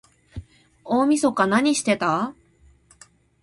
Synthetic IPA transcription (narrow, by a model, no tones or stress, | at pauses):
oːmʲiso̞kanaɲ̟iɕi̥t̪e̞t̪a